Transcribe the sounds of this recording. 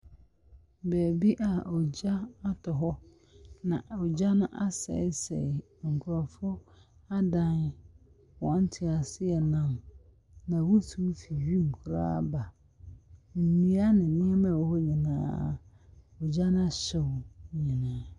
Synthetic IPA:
bɛː˨bi˦ʔa˨ɔ˨d͡ʑa˦a˦tʰɔ˨ɦɔ˦ | nã˨ɔ˨d͡ʑa˦nʊ̃˦ʔa˦sɛ̰˨˦sɛ̰˨ | ŋ̩˨kʰʊ˨ɾɔ˨fʊ˦a˦dã˦n | wɔ̃˨˦n˦tʰɪ˨a˨sɪ˦ɛ˨nã˦˨m | nã˨wɔ˦tʰu˦fi˨ɥĩ˦˨m˨kʰʊ˦ɾa̰ː˦ba˨ | m̩˨nĩ˨˦a˦nɪ̃˨nɪ̃˦ɛ˦mã˨wɔ˦hɔ˦ɲĩ˨nã̰ː˦ | ɔ˨d͡ʑa˦nʊ̃˦a˨ɕɛ˨wɲĩ˨nãː˨˦

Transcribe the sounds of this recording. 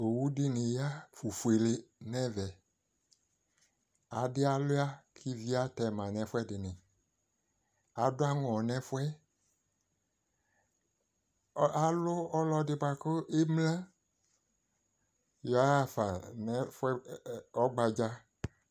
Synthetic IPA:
o˨wu˦dɪ˦nɪ̃˨ja˦fu˨fu˨e˨le˨nɛ̃˦vɛ˨ | a˨dɪ˦a˨lʊ˦a˦kʰi˦vi˦a˦tɛ˨mã˨nɛ̃˨fwɛ˦dɪ˨nɪ̃˨ | a˨dʊ˦a˦ŋɔ̃˨nɛ̃˦fʊ˦ɛ˦ | a˦lʊ˦ɔ˦lɔ˦dɪ˨ba˨kʊ˦ɪ˦mlã˦ | jɔ˨˦a˦˨fa˨nɛ˦fʊ˦ɛ˦ɔ˦ɡ͡ba˨d͡ʒa˦

